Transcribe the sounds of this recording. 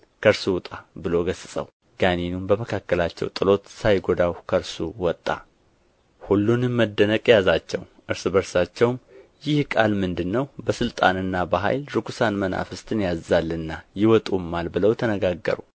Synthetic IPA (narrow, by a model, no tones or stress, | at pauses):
kʰəɾsuwt̪ʼabɨlo̞ɡəsɨsʼə̰w | ɡ̥aninumbəməkʰakːəlat͡ʃːɛ̰wt̪ʼɨlo̞t̪sajɡo̞d̪awkʰəɾsuwɔt̪ʼːa̰ | hulːunməd̪ːənəkʼjazat͡ʃːɛw | ʔɨɾsbəɾsat͡ʃːɛwmjɪhkʼalmɨnd̪ɨnːəwbəsɨlt̪ʼanɨnːabəɦa̰jlɾɨkʰusanməna̰fɨst̪ʰɨnjazːalːɨnːajɪwɔt̪ʼumːalbɨləwt̪ʰənəɡaɡːə̰ɾṵ